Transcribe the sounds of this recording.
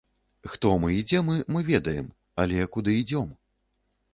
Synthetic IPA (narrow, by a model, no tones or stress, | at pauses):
xt̪ɔmɨid͡zʲɛmɨmɨvʲɛd̪ɐjɛm | ɐlʲɛkud̪ɨid͡zʲɔm